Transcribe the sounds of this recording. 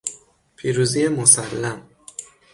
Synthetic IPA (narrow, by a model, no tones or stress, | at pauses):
pʰiːɾuːzijemosælːæm